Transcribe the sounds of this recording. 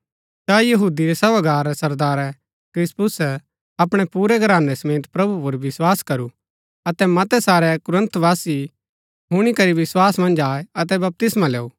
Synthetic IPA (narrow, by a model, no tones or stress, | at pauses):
sajɐɦuːd̪iɾɛsɐbaɡaːɾːɛsɐɾd̪aːɾɛ | kɾɪspʊs | ɐpɽ̃ɛpuːɾɛɡʱɐɾaːnɛsɐmeːt̪pɾɐbupʊɾʋɪswaːskɐɾu | ɐt̪ɛmɐt̪ɛsaːɾɛkʊɾə̃nt̪ʰʋaːsi | ɦʊɽ̃ikɐɾiʋɪswaːsmɐ̃nd͡ʒaːeɐt̪̬ɛbɐp̚t̪ɪsmãlɛːuː